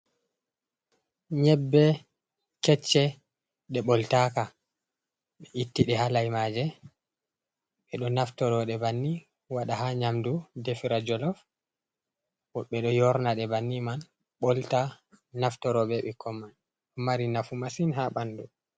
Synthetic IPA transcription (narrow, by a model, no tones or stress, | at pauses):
ɲɛbːɛ | kɛt͡ʃːɛ | ɗɛɓɔltaka | ɓɛʔitːiɗɛhalajmaːd͡ʒɛ | ɓɛɗɔnaftɔɾɔɗɛbanːi | waɗahaɲamdudefiɾad͡ʒɔlɔf | wɔɓɛɗɔjɔɾnaɗɛbanːiman | ɓɔlta | naftɔɾɔbɛɓɛkːɔmːan | ɔmaɾinafumasinhaɓandu